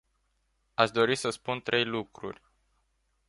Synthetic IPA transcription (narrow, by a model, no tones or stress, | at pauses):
aʃd̪o̞ɾisəspunt̪ɾʔe̞jlukɾṵrʲ